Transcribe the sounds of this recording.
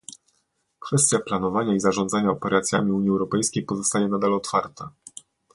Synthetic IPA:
kfɛst̪ʲjaplanɔvaɲaizaʐɔnd̪zaɲaɔpɛɾat̪sʲja̰mʲiuɲiɛwɾɔpɛjskʲejpɔzɔst̪ajɛnad̪alɔt̪faɾt̪a

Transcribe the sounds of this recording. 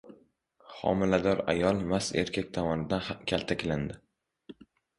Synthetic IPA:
χɒ̰mɪlad̪ɒɾa̰jɒlˠmase̞̰ɾkʲʰakʲt̪ʰamɒnɪd̪ankʲʰalˠt̪ʰakʲland̪ɪ

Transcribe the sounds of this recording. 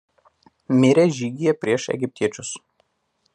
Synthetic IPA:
mʲɪɾʲɛʒʲiːɡʲɪjɛpʲɾʲiɛʃɛ̰ɡʲɪpʲt̪ʲiɛt͡ʃʲʊs

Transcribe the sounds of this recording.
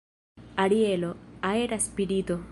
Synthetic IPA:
ɐɽieloaeɾaspiɽit̪o

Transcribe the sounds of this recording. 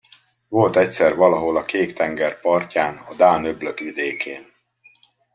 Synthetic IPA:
vo̞lt̪ɛcsɛrvɒlɒɦo̞lɒkeːkt̪ɛŋɡɛrpɒrcaːnɒd̪aːnøbløt̪ʋid̪eːkʰeːn

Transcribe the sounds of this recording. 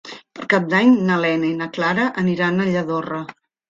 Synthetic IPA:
pəɾkap̚d̪aɲnəlɛnəinəklaɾəʔəniɾanəʎəðorə

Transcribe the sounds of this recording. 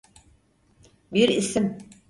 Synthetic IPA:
biɾisim

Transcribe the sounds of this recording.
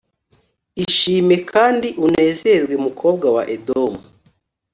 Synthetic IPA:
iʃiːme̞kʰaːndiʔune̞ːzezɡwemukʰo̞ːb̚ɡawa̰ʔedomu

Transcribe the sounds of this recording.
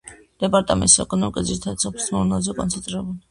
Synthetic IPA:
d̪̥ɛpʼaɾt̪ʼamɛ̰nt̪sɛkʼɔnɔmikʼaziɾt̪ʰat̪sʰɔpʰli̥smɔɾnazɛkʼɔ̰nsʰɛnt̪ʼɾɛbuli

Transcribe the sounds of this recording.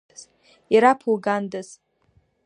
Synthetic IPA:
z̥ | iɾapʰulɡandaz

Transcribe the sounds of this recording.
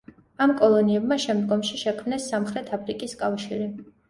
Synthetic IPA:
amkʼɔlˠɔniɛbmaʃɛmd̪ɡɔmʃiʃɛkʰmnɛsːamχɾɛt̪ʰapʰɾikʼiskʼafʃiɾi

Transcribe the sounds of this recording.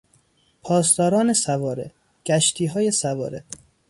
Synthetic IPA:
pʰɒːst̪ɒːɾɒːnesævɒːɾe | ɡ̥æʃt̪ʰiːɦɒːjesævɒ̰ːɾe̥

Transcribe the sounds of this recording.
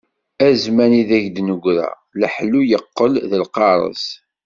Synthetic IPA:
æzmæniðæʝd̪nəɡʷɾæ̰ | ləħlujəqːəlðəlqɑɾˤə̰s

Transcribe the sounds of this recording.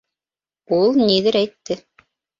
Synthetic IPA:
ulˠniðɘɾæjt̪ːɘ

